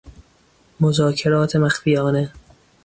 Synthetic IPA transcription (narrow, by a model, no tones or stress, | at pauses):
mozɒːkʰe̞ɾɒːt̪ʰemæxfijɒːne